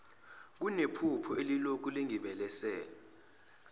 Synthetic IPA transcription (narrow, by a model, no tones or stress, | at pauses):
k̬unepʰupʰɔelilok̬uliŋiɓɛlɛsɛːlɔ